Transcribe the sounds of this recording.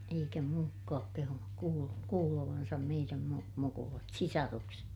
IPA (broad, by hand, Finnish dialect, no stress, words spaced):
eikæ muːkːɑːk kehunuk kuːl kuːloʋɑnsɑm meiræm mu mukulɑt sisɑrukset